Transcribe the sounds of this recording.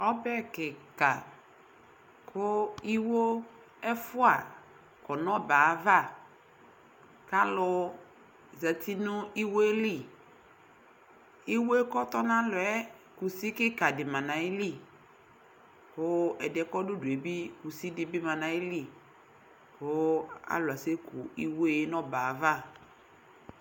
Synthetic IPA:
ɔ˦bɛ˦kɪ˨ka˨ | kʰʊ˦i˦wo˦ | ɛ˦fʊ˦a˨ | kɔ˨nɔ̃˦baː˨˦va˦˨ | ka˦lʊ˨ | za˨ti˦nʊ˦i˦wo˦e˦li˦˨ | i˦wo˦e˦kɔ˦t̪ɔ˦nã˦lʊ˨ɛ˦ | ku˨si˦kɪ˦ka˨dɪ˨mã˨nã˨ɪ˦li˦˨ | pʊ˨˦ɛ˨dɛ˨kɔ˦dʊ˦dʊ˨e˨bi˦ku˨si˦dɪ˨bɪ˦mã˨nã˨ɪ˦li˦˨ | pʊ˨˦a̰˦lʊ˨a˨se˦kʰʊ˨i˦wo˦e˦nɔ˦ba˨va˦˨

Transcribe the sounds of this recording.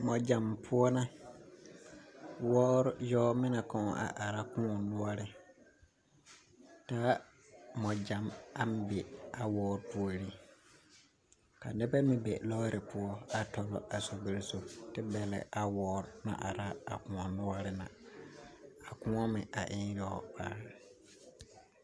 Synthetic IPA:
mɔ̃˨d͡ʑã˨mpʰʊ˦ɔ˦nã˦ | wɔː˦ɾjɔː˦mɪ̃˦nã˨kʰɔ̃˨ʔa̰˨ʔa˨ɾa˦kʰʊ̃˦ɔ˨nʊ̃˦a˦ɾɪ˨ | tʰaː˦ | mɔ̃˨d͡ʑã˨ma˦m˦be˨a˨wɔː˦ɾpʰʊ˦ɔ˦ɾi˦ | ka˨nɪ˦bɛ˦mĩ˦bḛ˨lɔː˦ɾɪ˨pʰʊ˦ɔ˦a˨tʰɔ˨lɔ̰˨ʔa˨so˨be˦ɾso˨tɪ˦bɛ˨lɛ̰˨˦ʔa˨wɔː˦ɾnã̰˨ʔa˨ɾa˦a˨kʊ̃˨ɔ̃˨nʊ˦a˦ɾɪ˦nã˨ | a˨kʊ̃˦ɔ˦mɪ̃˨ʔa̰˨ʔɪ̃˦jɔː˦ba̰ː˨˦ɾɪ˨

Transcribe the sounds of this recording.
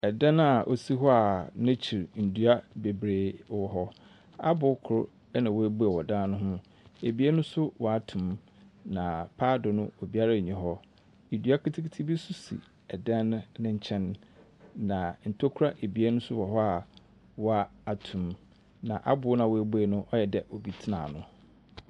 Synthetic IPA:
ɛ˨dã˦n˦a˨ʔo̰˨si˦ɦɔ˦a˨nã˦t͡ɕʰi˨ɾn̩˨du˦a˦be˨bɾeː˨wɔ˨ɦɔ˦ | a̰˦bʊ˨˦kʰʊ˨ʊ˦ | nã˨wo˨˦æ˦bu˦a˨wɔ˨dãː˦nʊ̃˦ɦʊ̃˦ | e˨bi˨˦e˦nʊ̃˦sʊ˦wɔ˨a˨tʰʊ̃˨m | nã˨pʰaː˦dʊ˨nʊ̃˦o˨bi˦a˦ɾa˦˨ɲĩ˨ɦɔ˦ | i˨dɥa˦kʰi˦tʰi˦kʰtʰi˦bi˦su˦sḭ˨ | ɛ˨dã˦nʊ̃˦nɪ̃˦ɲ̩˨t͡ɕʰɛ̃˦nː | ã˨n̩˨tʰo˦kʰʊ˦ɾa˦ʔe˨bi˨˦e˦nʊ̃˦sʊ˦wɔ˨ɦɔ˦a˨ | wɔ˦a˨a˨tʰũ˨m | nã˨ʔa̰˦bʊ˨˦nã˨wɔ˨æ˨bu˦e˨nʊ̃˦ʔɔ˦jɛ˨dɛ˨ʔo˨bi˨˦tʰɪ˦nã̰˨nʊ̃˨

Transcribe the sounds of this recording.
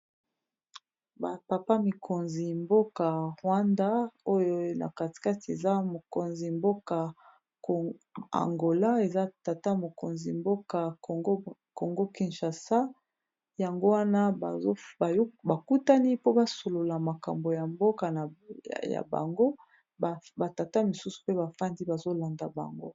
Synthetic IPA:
ba˨pa˨pa˦mi˨kʰo˨nzi˨mbo˦ka˨ʁwa˦nda˦o˦jo˦na̰˨ka˨ti̥˨ka˦ti˨e˨za˦mo˨ko˨nzi˨mbo˦ka˨ | a̰˨ŋɡo˨la˦e˨za˦ta˨ta˦mo˨ko̰˨nzi˨mbo˦ka˨ɡo˦ko˨ŋɡo˦ki˨nʃa˨sa˦ | ja˨ŋɡo˦wa˦na˦ba˨o˦ba˨˦ba˨ku˦ta˦ni˦po˦ba˦so˨lo˨la˨ma˨ka̰˨mbo˨ja˨mbo˦ka˨n̰˨ja̰˨ba̰˨ŋɡo˦ | bba˨ta˨ta˦mi˨su˦su̥˨pe˦ba˨fa˦ndi˦ba˨zo˦la˨nda˨ba̰˨ŋɡo˦

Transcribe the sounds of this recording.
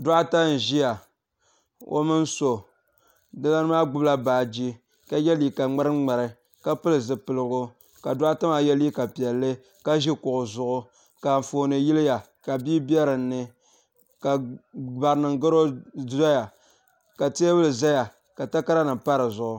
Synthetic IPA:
do˦ʔa˦ta˦n̩˨ʒi˦ja˨ | o̰˦mɨ˦n˦so˨ | dɨ˦la˦n˦maː˦ɡʊ˦bla˦baː˨d͡ʒi˦ | ka˦jɛ˦li˨ka˨ŋ͡ma˦ɾɨ˦ŋ͡ma˨ɾɨ˨ | ka˦pɨ˦lɨ˨zɨ˨pɨ˨lɨ˦ɡʊ˦ | ka˨da˦a˦ta˦ma˨jɛ˦li˦ka˨pi˨ɛ˨lːɨ˦ | ka˦ʒi˦kʊ˨ʔʊ˨zʊ˦˨ʔʊ˦ | ka˨foː˨nɨ˨ji˦lɪ˦ja˨ | ka˨biː˦bi˦ɛ˦ɾɨ˨nːɨ˦ | ka˨ba˨ɾɨ˨nɨ˨ŋ˦ɡɨ˦ɾo˦za˦ja˨ | ka˨te˦bɨ˦lɨ˨za˦ja˨ | ka˨ta˦ka˦ɾa˦nɨ˨pa˦ɾɨ˨zʊ˨ʔʊ˨

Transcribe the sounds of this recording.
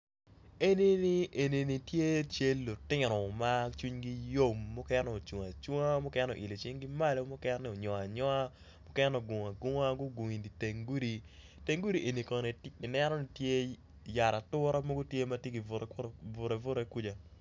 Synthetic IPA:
e˦ni˦ni˦ʔe˨ni˨ni˨tje˦t͡ʃe˦lːo˨tɪ˦ɾɔ˨ma˦t͡ʃu˦ɲɡi˦jo˦mːʊ˦kɛ˦nɔ˨o˨t͡ʃu˨ŋa˨t͡ʃo˦ŋa˦mʊ˦kɛ˦no̰ʔi˨le˨t͡ʃɪ˦ŋɡi˦ma˦lo˦mʊ˦kɛ˦n˦nɪ˨o˨ɲɔ˨a˨ɲɔ˦a˦ | mʊ˦kɛ˦no˨ɡo˨ŋa˨ɡʊ˦ŋa˦ɡʊ˦ɡu˨ŋi˨ndi˨te˨ŋɡu˦ɾi˨ | te˨ŋɡu˦ɾi˨ʔe˨ni˨kɔ˨ne˨ɪ˨nɛ˦ɾɔ˦ni˦tje˦ | ja˨ɾa˨tʊ˦ɾa˦mo˦ɡʊ˦tje˦ma˦tje˦ɡi˨ɾvʊ˨ɾe˨vʊ˦ɾe˨ku˦d͡ʒa˦

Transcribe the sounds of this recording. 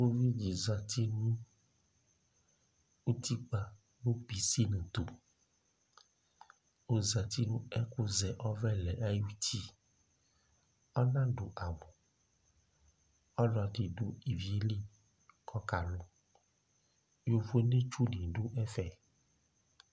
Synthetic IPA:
wo˦vi˦d͡ʒi˨za˨t̪ʰi˦nũ˦ | u˦t̪ʰi˦k͡pa˨ | nũ˦pi˨˦si˦nũ˨t̪o˨ | o˨za˨t̪i˦nũ˦ɛ˦ku˦zɛ˨ʔɔ˦vɛ˦lɛ˨ʔa˦ju˦ti˦ | ɔ˦nã˦ɖo˨ʔa˨mũ˨ | ɔ˦lɔ˨di˨ɖo˦i˨vi˨˦e˨˦li˦ | kʰɔ˦ka˨lo˦ | jo˨vo˦ne˦t͡ʃu˦di˨ɖu˦ʔɛ˦fɛ˨

